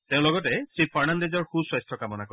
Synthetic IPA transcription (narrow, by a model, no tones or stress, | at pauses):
teʊ̃lɔɡɔtɛsɹipʰaɹnandezɔɹxuswajstʰɔkamɔnakɔ